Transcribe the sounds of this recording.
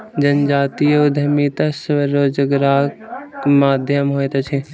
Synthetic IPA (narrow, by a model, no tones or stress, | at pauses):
d͡ʒɐnd͡ʒaːt̪ijʊd̪ʱɐmit̪asʋəɾoːd͡ʒəɡɾaːkmaːd̪ʱjəmɦoːet̪ɐt͡ʃʰe